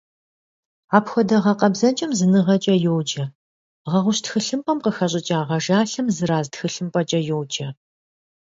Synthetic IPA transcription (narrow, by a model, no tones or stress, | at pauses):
aːpxʷɔdɐʁɐqɐbzɐt͡ʃʼɐmzɨnɨʁɐt͡ʃʼɐjowd͡ʒɐ | ʁɐʁʷʊɕtxɨɬɨmpʼɐmqəxɐɕʼɪt͡ʃʼaːʁɐʒaːɬɐmzɨɾaːztxɨɬɨmpʼɐt͡ʃʼɐjowd͡ʒʼɐ